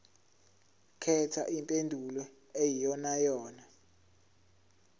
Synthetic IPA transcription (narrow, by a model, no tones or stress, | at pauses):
kʰɛtʰa̰ʔimpʼendʱulɔ | ejijɔnajɔːna